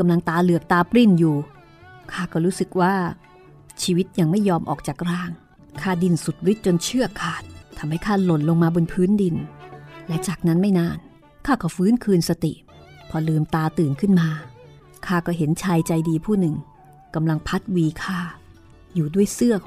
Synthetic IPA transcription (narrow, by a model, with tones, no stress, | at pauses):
ka˧mla˧ŋt̪aː˧lɯ˨˩ək̚t̪aː˧pɾi˥˩njuː˨˩ | kʰaː˥˩kɔː˥˩ɾuː˦˥sɯ˨˩k̚waː˥˩ | t͡ɕʰiː˧wi˦˥t̪̚ja˧ŋma˥˩jːɔː˧mʔɔ̰ː˨˩k̚t͡ɕaː˨˩k̚ɾaː˥˩ŋ | kʰaː˥˩di˧nsu˨˩t̪̚wi˦˥t̪̚t͡ɕo˧nt͡ɕʰɯ˥˩ɐkʰaː˨˩t̪̚ʰːa˧mha˥˩jkʰaː˥˩lo˨˩nlo˧ŋmaː˧bo˧npʰɯː˦˥ndi˧nlɛ˦˥t͡ɕaː˨˩k̚na˦˥nma˥˩jnaː˧˩n | kʰaː˥˩kɔː˥˩fɯː˦˥nkʰɯː˧nsa˧t̪ḭ˨˩ʔ | pʰɔ˧lɯː˧mt̪aː˧t̪ɯː˨˩nkʰɯ˥˩nmaː˧ | kʰaː˥˩kɔː˥˩ɦe˩˦nt͡ɕʰaː˧jt͡ɕa˧jdiː˧pʰuː˥˩nɯ˨˩ŋ | ka˧mla˧ŋpʰa˦˥t̪̚wiː˧kʰaː˥˩ | juː˨˩du˥˩əjsɯ˥˩ɐ